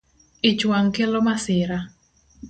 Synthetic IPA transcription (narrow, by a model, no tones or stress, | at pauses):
ɪt͡ʃwaŋkelomasɪɾa